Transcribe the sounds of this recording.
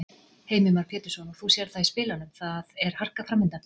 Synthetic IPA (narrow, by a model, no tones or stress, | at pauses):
heːjmʏmaɾ̥pʰjɛːt̪ɪɾ̥sɔnɔɣθusjɛɾ̥θaispɪːlalɛnθaðɛɾ̥har̥kafɾamːɪnt̪an